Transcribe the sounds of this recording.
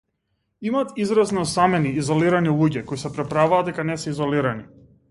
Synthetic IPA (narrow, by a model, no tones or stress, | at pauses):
imaːt̪izɾaznɔsamɛniːzɔliɾanilˠuɟɛkoisɛpɾɛpɾavaːd̪d̪ɛkanɛsɛizɔliɾani